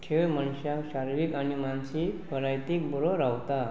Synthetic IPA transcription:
kʰːejmənɕjakɕaɾʋikañimansikpəɾajt̪ikbuɾoɾawt̪a

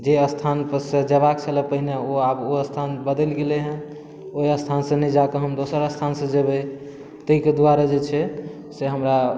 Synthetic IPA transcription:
d͡ʒeəst̪ʰanpəsed͡ʒəβakt͡ʃʰəlɛpəɦineoaboəst̪ʰanbəd̪ɛlɡeleɦɛ̃ | oiəst̪ʰansə̃nəjd͡ʒakeɦəmd̪osəɾəst̪ʰansə̃d͡ʒebɛ | t̪əiked̪waɾad͡ʒet͡ʃʰɛ | seɦəmɾa

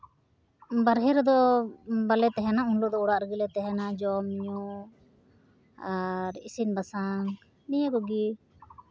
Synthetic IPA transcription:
baɾɦɛɾd̪ɔbalɛt̪ɛɦɛnaunlɔd̪ɔuɽaʔɾəɡilɛt̪ɛɦɛnad͡ʒɔmiɲu | aɾḭsinbasaŋ | nijakɔɡi

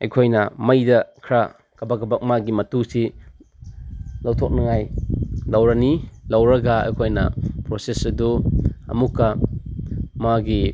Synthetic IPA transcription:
ɐjkʰojnɐmɐjdɐkʰɾa | kɐbakɐbak̚maɡimɐtusi | lɐwtʰok̚nɐŋajlɐwɾɐnilɐwɾɐɡɐɐ̰jkʰojnɐ̰pɾosesɐduɐ̰mukːɐ | maɡi

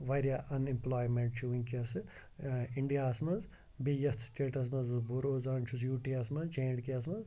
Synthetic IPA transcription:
ʋɐɾjaʔɐnimplaːjmeɳʈ̚t͡ʃʰiuŋkiɐsɨ | iɳɖijaːsmɐnz | bijɐst̪sʈ̪eːʈɐs̬mɐzusbuɾoːzaːnt͡ʃʰusjuːʈiɐsmɐnzt͡ʃẽːɖkiɐs̬mɐz

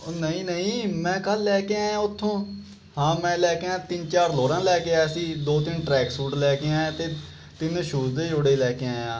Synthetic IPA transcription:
nəĩːnəĩːmɛ̃ːkəlːɛːkeãːãːʊt̪ʰːõː | hãːmɛ̃ːlɛːkeãːt̪ɪnt͡ʃaːɾloːɽãːlɛːkeaːsĩːd̪oːt̪ɪnʈɾɛːksuːʈlɛːkeãːɛ̃t̪eː | t̪ɪnʃuːzd̪eːd͡ʒoːɽeːlɛːkeãːãː

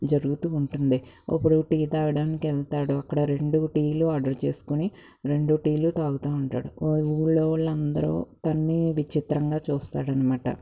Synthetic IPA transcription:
d͡ʒɐɾuɡut̪uːɳʈund̪i | ɐ̰pːuɽuʈiːt̪aːʋɐɽaːnikiɛlt̪aːɽuɐkːɐɽɐɾe̞ɳɖuʈiːluaːɖɐɾt͡ʃe̞ːsu̥kuni | ɾe̞ɳɖuʈiːlut̪aːɡut̪aːuɳʈa̰ːɽuuːɭːoːlɐnd̪ɐɾṵːt̪ɐnːiʋit͡ʃit̪ɾɐŋɡaːt͡ʃuːst̪aːɽɐnɐmaːʈɐ̰

